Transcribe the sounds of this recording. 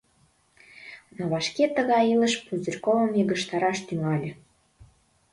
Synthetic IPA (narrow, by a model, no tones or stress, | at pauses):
noβɑʃket̪ə̆ɣɑjilə̆ʃpuzə̆rʲkovə̆miɣə̆ʃt̪ɑɾɑʃt̪yŋɑlʲə̆